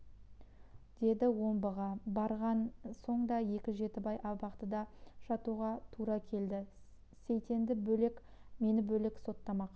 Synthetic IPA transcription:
d̪̥e̞d̪ɪwo̞mbəʁɑbɑɾʁɑnso̞ɴd̪ɑje̞kʲɪʒe̞t̪ɪbɑjʔɑbɑqt̪əd̪ɑʃɑt̪uʁɑt̪ʰuɾɑkʲʰe̞ld̪ɪ | sejt̪e̞nd̪ɪbɵlekʲ | me̞nɪbɵlekso̞t̪ːɑmɑq

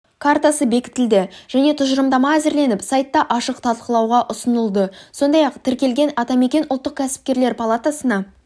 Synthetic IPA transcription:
kʰart̪asəbe̞kʲɪ̥t̪ʰːɪld̪ɪʒ̥æne̞t̪ʰʊʒəɾəmd̪ɑmɑæzɪɾle̞nɪpsajt̪ːɑʔɑʃəqt̪ʰɑlˠqəlˠɑwʁɑʔʊsənəlˠd̪əso̞nd̪ɑjɑqt̪ʰɪɾkʲe̞lɡʲe̞nɑt̪ɑme̞kʲe̞nʊlˠt̪ːəq̚kʲʰæsɪ̥p̚kʲe̞ɾle̞ɾpʰalˠat̪asənɑ

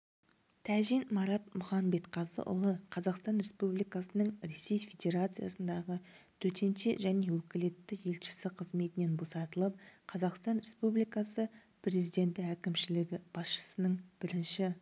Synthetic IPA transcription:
t̪ʰæʒinmɑɾɑt̪̚mʊχɑmbe̞t̪qʰɑzə̰ʔʊ̰lˠəqʰɑzɑqst̪ɑnɾe̞spublijkɑsənəɴɾe̞se̞jfʲe̞d̪ʲe̞ɾat̪sɨja̰sənd̪ɑʁət̪ʰɵt̪ʰe̞nʃeʒæne̞wɵkʲɪle̞t̪ːɪje̞lʃɪ̥sɪqʰəzme̞t̪ɪne̞nbo̞sɑt̪əlˠəp̚qʰɑzɑqst̪ɑnɾe̞spublijkɑsə | pɾe̞zijd̪e̞nt̪ɪækʲɪmʃɪlɪɡʲɪb̥ɑsʃə̥sənəɴb̥ɪɾɪnʃɪ

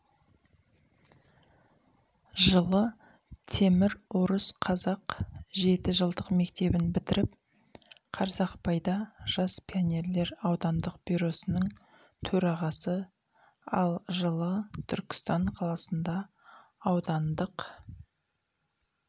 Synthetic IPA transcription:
ʒəlˠə | t̪ʰe̞mɪɾwoɾəsqʰɑzɑqʒe̞t̪ɪʒəlˠd̪əqme̞kt̪e̞bɪnbɪt̪ɪɾɪp̚ | qʰɑɾzɑqpɑjd̪ɑʒ̥ɑspʰionʲe̞ɾle̞ɾɑwd̪ɑnd̪əqbijɾo̞sənəɴ | t̪ʰɵɾɑʁɑsə | ɑ̰lˠʒəlˠət̪ʰʏɾkʲɪ̥st̪ɑɴqʰɑlˠɑsənd̪ɑː | wd̪ɑnd̪əq

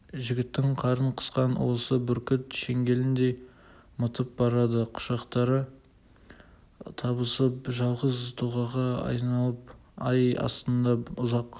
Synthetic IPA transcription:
ʒɪɡʲɪt̪ːɪŋqʰɑɾəɴqʰə̥sqɑnwo̞səbʏɾkʲɪt̪ʃe̞ŋɡʲe̞lɪnd̪e | mət̪əp̚bɑɾɑd̪əqʰʊ̥ʃɑqt̪ɑɾə | t̪ʰɑbəsəpʒɑlˠʁəzt̪ʰuʁɑʁɑɑ̰jnɑlˠəpɑjɑ̰st̪ənd̪ɑʊzɑq

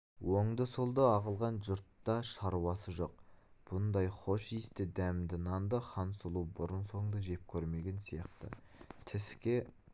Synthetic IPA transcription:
wo̞ɴd̪əsʊlˠd̪əɑʁəlˠʁɑnʒʊɾt̪ːɑʃɑɾuɑsəʒo̞q̚b̥ʊnd̪ɑjχo̞ʃist̪ɪd̪æmd̪ɪnɑnd̪əχɑnsʊlˠubʊɾənso̞ɴd̪əʒe̞p̚kʲʰɵɾme̞ɡʲe̞nsijɑqt̪ə̰ | t̪ʰɪskʲe̞

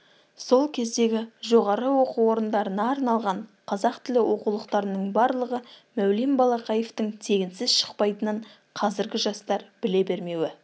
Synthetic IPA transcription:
so̞lˠkʲʰe̞zd̪e̞ɡʲɪʒo̞ʁɑɾəwo̞quwo̞ɾənd̪ɑɾənɑːɾnɑlˠʁɑɴqʰɑzɑqt̪ʰɪlɪwʔo̞qulˠəqt̪ɑɾənəɴbɑɾlˠəʁəmæwlembɑlˠɑqɑjeft̪əŋt̪ʰe̞ɡʲɪnsɪzʃə̥qpɑjt̪ənəɴ | qʰɑzɪɾɡʲɪʒɑst̪ɑɾb̥ɪle̞be̞ɾme̞wɪ

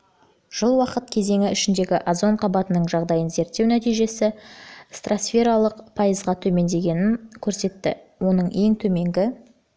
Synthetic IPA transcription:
ʒ̥əlˠwɑqət̪̚kʲʰe̞ze̞ŋɪʏʃɪnd̪e̞ɡʲɪʔazo̞ɴqʰɑbɑt̪ənəɴʒɑʁd̪ɑjənze̞ɾt̪ːe̞wnæt̪ijʒe̞sɪst̪rʔasfe̞ɾɑlˠəqpʰɑjəzʁɑt̪ʰɵme̞nd̪e̞ɡʲe̞nɪnkʲʰɵɾse̞t̪ːɪ̰ | wo̞nəɴe̞ŋt̪ʰɵme̞ŋɡʲɪ

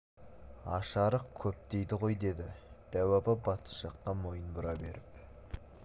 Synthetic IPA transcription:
ɑ̰ʃɑɾəq̚kʲʰɵp̚t̪e̞jd̪ɪʁo̞jd̪e̞d̪ɪd̪̥æwæpɪbɑt̪ə̥ʃɑqːɑmo̞jənbʊɾɑbe̞ɾɪp̚

